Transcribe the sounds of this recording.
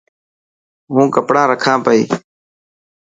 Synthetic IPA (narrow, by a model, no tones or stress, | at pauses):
ɦũːkəpɽãːɾəkʰãːpəḭː